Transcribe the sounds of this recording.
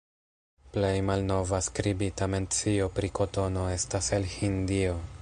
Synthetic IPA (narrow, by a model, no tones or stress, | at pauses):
ple̞jmalno̞vaskɾibitame̞nt͡sio̞pɾiko̞to̞no̞e̞staselhindio̞